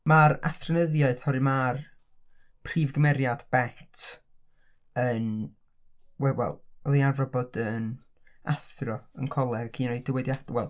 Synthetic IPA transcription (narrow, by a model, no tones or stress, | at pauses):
maɾa̰θrɔnəðjaɨðhɔɾɨmar | pʰr̥iːvɡəmɛɾjad̥b̥ɛtʰ | ən | wɛwɛ̰lˠɔðiavrɔbɔdən | aθrɔənkʰɔlˠɛɡakʰiːnoɨdəwɛdjadwɛlˠ